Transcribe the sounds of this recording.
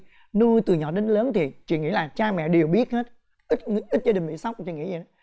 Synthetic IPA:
nu˧t̪ɨ˨˩ɲɔ˨˩ɗe˨˦nləː˨˦nt̪ʰi˨˩t͡ɕḭ˧˨ŋḭ˧˥laː˨˩t͡ɕaː˧mɛ̰˧˨ɗe˨˩əwɓi˦˥ət̚he˦˥t̚ | ʔi˦˥t̚ŋ˧˥ʔi˦˥t̚za˧ɗi˨˩ŋ̟ɓḭ˧˨˦sa˦˥wk͡p̚t͡ɕḭ˧˨ŋḭ˧˥zi˨˩˨

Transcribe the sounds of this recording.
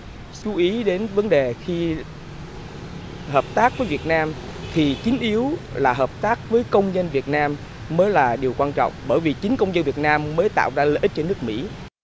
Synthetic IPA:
t͡ɕu˨˦ʔi˨˦ɗe˨˦nvə˨˦nɗe˨˩xi˧ | həː˨˩p̚t̪aː˦˥k̚vəː˨˦jvi˨˩ət̚naː˧mt̪ʰi˨˩t͡ɕï˨˦ŋ̟ʔi˨˦əwlaː˨˩ɦəː˨˩p̚t̪aː˦˥k̚vəː˨˦jkə˧wŋ͡mɲə˧nvi˨˩ət̚naː˧mː | əː˨˦jlaː˨˩ɗi˨˩əwkwaː˧nt͡ɕɔ̰˧˨wŋ͡mɓəː˧˩jvi˨˩t͡ɕï˨˦ŋ̟kə˧wŋ͡mzə˧nvi˨˩ət̚naː˧mːəː˨˦jt̪a̰ː˧˨wzaː˧ləː˧˨ʔi˦˥t̚t͡ɕɔ˧nɨ˦˥ək̚mḭ˧˥

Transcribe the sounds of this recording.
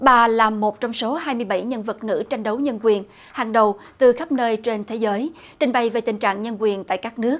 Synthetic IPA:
ɓaː˨˩laː˨˩mːo˨˩t̚t͡ɕɔ˧wŋ͡mso˨˦ɦaː˧jmɨ˧əjɓa˧˩jɲə˧nvə˨˩t̚nɨ̰˧˥t͡ɕa˧jŋ̟ɗə˨˦wɲə˧nkwi˨˩ən | haː˨˩ŋɗə˨˩wt̪ɨ˨˩xa˦˥p̚nəː˧jt͡ɕe˧nt̪ʰe˨˦zəː˨˦j | t͡ɕï˨˩ŋɓa˨˩jve˨˩t̪ï˨˩ŋ̟t͡ɕa̰ː˧˨ŋɲə˧nkwi˨˩ənt̪a̰ː˧˨jkaː˦˥k̚nɨ˦˥ək̚

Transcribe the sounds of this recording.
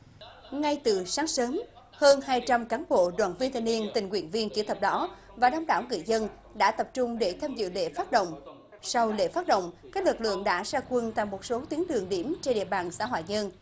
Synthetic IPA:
ŋa˧jt̪ɨ˨˩saː˨˦ŋsəː˨˦m | həː˧nhaː˧jt͡ɕa˧mkaː˨˦nɓo̰˧˨ɗwa̰ː˧˨nvi˧ənt̪ʰa˧˩ni˧ənt̪ï˨˩ŋkwḭ˧˩ənvi˧ənki˧˩t̪ʰə˨˩p̚ɗɔ˨˦ | vaː˨˩ɗə˧wŋ͡mɗa̰ː˧˩wŋɨ̰˧˨jzə˧n | ɗa̰ː˧˥t̪ə˨˩p̚t͡ɕʊ˧ŋ͡mɗe˧˩t̪ʰaː˧mzɨ̰˧˨lḛ˧˨faː˦˥t̚ɗo̰˧˨wŋ͡m | sa˧wlḛ˧˨faː˦˥t̚ɗo̰˧˨wŋ͡mkaː˦˥k̚lɨ˨˩k̚lɨ̰˧˨əŋɗa̰ː˧˥saː˧kwə˧nt̪a̰˧˨jmo˨˩t̚so˨˦t̪i˨˦əŋɗɨ˨˩əŋɗi˧˩əmt͡ɕe˧nɗḭ˧˨əɓaː˨˩nsa̰ː˧˥ɦwa̰ː˧˨jɲə˧n

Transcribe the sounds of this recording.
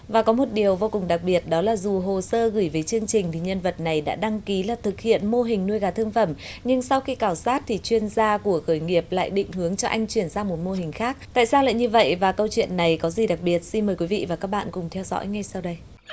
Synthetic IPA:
vaː˨˩kɔ˨˦mo˨˩t̚ɗi˨˩əwvo˧kʊ˨˩ŋ͡mɗa˨˩k̚ɓi˨˩ət̚ɗɔ˨˦laː˨˩zu˨˩ɦo˨˩səː˧ɣɨ˧˩jvəː˨˦jt͡ɕɨ˧əŋt͡ɕï˨˩ŋ̟t̪ʰi˨˩ɲə˧nvə˨˩t̚na˨˩jɗa̰ː˧˥ɗa˧ŋki˨˦laː˨˩t̪ʰɨ˨˩k̚hḭ˧˨ənmo˧ɦï˨˩ŋ̟nu˧əjɣaː˨˩t̪ʰɨ˧əŋfə˧˩mɲɨ˧ŋsa˧wxi˧kaː˧˩wsaː˦˥t̚t̪ʰi˨˩t͡ɕwi˧ənzaː˧ku˧˩əxəː˧˩jŋi˨˩əp̚la̰ː˧˨jɗḭ̈˧˨ŋ̟hɨ˨˦əŋt͡ɕɔ˧ʔa˧jŋ̟t͡ɕwi˧˩ənzaː˧mo˨˩t̚mo˧ɦï˨˩ŋ̟xaː˦˥k̚t̪a̰ː˧˨jsaː˧wla̰ː˧˨jɲɨ˧və̰˧˨jvaː˨˩kə˧wt͡ɕwḭ˧˨ənːa˨˩jkɔ˨˦zi˨˩ɗa˨˩k̚ɓi˨˩ət̚si˧nməː˨˩jkwi˨˦vḭ˧˨vaː˨˩kaː˦˥k̚ɓa̰ː˧˨nkʊ˨˩ŋ͡mt̪ʰɛ˧wzɔ̰˧˥jŋa˧jsa˧wɗə˧j

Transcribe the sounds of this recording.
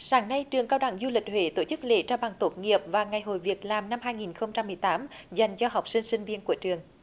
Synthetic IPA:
saː˨˦ŋna˧jt͡ɕɨ˨˩əŋkaː˧wɗa̰˧˨˩ŋzu˧li˨˩k̟̚hwḛ˧˨˦t̪o˧˩t͡ɕɨ˦˥k̚lḛ˧˦t͡ɕaː˧wɓa˨˩ŋt̪o˨˦t̚ŋi˨˩əp̚vaː˨˩ŋa˨˩jɦo̰˧˨jvi˨˩ək̚laː˨˩mna˧mɦaː˧jŋi˨˩nxə˧wŋ͡mt͡ɕa˧mːɨ˨˩əjt̪aː˨˦mza˨˩jŋ̟t͡ɕɔ˧ɦa˨˩wk͡p̚sï˧ŋ̟sï˧ŋ̟vi˧ənku˧˩ət͡ɕɨ˨˩əŋ

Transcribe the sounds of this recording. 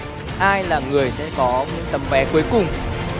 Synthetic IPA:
ʔaː˧jlaː˨˩ŋɨ˨˩əjsɛ̰˧˥kɔ˨˦m˨˥˦t̪ə˨˦mvɛ˨˦ku˨˦əjkʊ˨˩ŋ͡m

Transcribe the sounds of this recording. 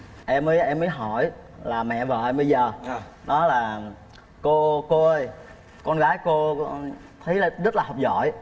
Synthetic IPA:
ʔɛ˧mːəː˨˦jʔɛ˧mːəː˨˦jɦɔ˧˩˨j | laː˨˩mɛ̰˧˨vaː˨˩ʔɛ˧mɓə˧jzəː˨˩ | ɗɔ˨˦laː˨˩ | ko˧ko˧ʔəː˧j | kɔ˧nɣaː˨˦jko˧ | t̪ʰə˨˦jlzə˦˥t̚laː˨˩ɔ˨˩wk͡p̚zɔ̰˧˨j

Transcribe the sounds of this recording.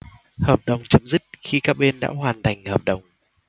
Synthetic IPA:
həː˨˩p̚ɗə˨˩wŋ͡mt͡ɕə˧mzɨ˦˥t̚xi˧kaː˦˥k̚ɓe˧nɗa̰ː˧˥hwaː˨˩nt̪ʰa˨˩jŋ̟həː˨˩p̚ɗə˨˩wŋ͡m

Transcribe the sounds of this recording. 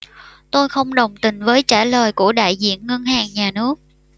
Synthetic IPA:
t̪o˧jxə˧wŋ͡mɗə˨˩wŋ͡mt̪ï˨˩ŋ̟vəː˨˦jt͡ɕaː˧˩ləː˨˩jku˧˩əɗa̰ː˧˨jzḭ˧˨ənŋə˧nhaː˨˩ŋɲaː˨˩nɨ˦˥ək̚

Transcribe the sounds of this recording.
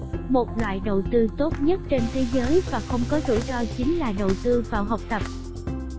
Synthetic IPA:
mo˨˩t̚lwa̰ː˧˨jɗə˨˩wt̪ɨ˧t̪o˦˥t̚ɲə˦˥t̚t͡ɕe˧nt̪ʰe˨˦zəː˨˦jvaː˨˩xə˧wŋ͡mkɔ˨˦zṵ˧˩zɔ˧t͡ɕï˨˦ŋ̟laː˨˩ɗə˨˩wt̪ɨ˧vaː˨˩wɦə˨˩wk͡p̚t̪ə˨˩p̚

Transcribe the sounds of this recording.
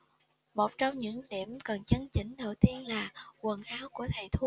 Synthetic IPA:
mo˨˩t̚t͡ɕɔ˧wŋ͡mɲɨ̰˧˥ŋɗḭ˧˩əmkə˨˩nt͡ɕə˨˦nt͡ɕi˧˦ŋ̟ɗə˨˩wt̪i˧ənlaː˨˩kwə˨˩nʔaː˨˦wku˧˩ət̪ʰə˧˨˩jt̪ʰu˧˦

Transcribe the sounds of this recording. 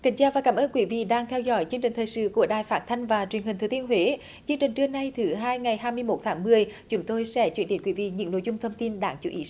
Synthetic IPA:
kï˨˩ŋ̟t͡ɕaː˧vaː˨˩kaː˧˩mʔəː˧nkwi˧˨˦vḭ˧˨ɗaː˧ŋt̪ʰɛ˧wzɔ̰˧˥jt͡ɕɨ˧əŋt͡ɕï̟˨˩t̪ʰəː˨˩jsɨ̰˧˨ku˧˩əɗaː˨˩jfaː˦˥t̚t̪ʰa˧jŋ̟vaː˨˩t͡ɕwi˨˩ənhi˨˩ŋ̟t̪ʰːt̪i˧ənɦwe˨˦ | t͡ɕɨ˧əŋt͡ɕï˨˩ŋ̟t͡ɕɨ˧əŋna˧jt̪ʰɨ˨˦ɦaː˧jŋa˨˩jɦaː˧jmɨ˧əjmo˨˦˥t̚t̪ʰaː˨˦ŋmɨ˨˩əjt͡ɕʊ˨˦ŋ͡mt̪o˧jsɛ̰˧˥t͡ɕwənɗe˨˦nkwi˧˨˦vḭ˧˨ɲɨ̰˧˥ŋno̰˧˨jzʊ˧ŋ͡mt̪ʰə˧wŋ͡mt̪i˧nɗaː˧˩ŋt͡ɕṵ˧˦ʔi˨˦

